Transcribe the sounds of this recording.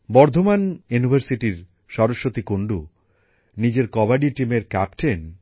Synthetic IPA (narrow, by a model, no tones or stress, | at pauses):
bɔɾd̪ʱomanjunibʱaɾsiʈiɾ | ʃɔɾoʃːot̪ikoɳɖu | nid͡ʑeɾkɔbaɖiʈimeɾkapʈen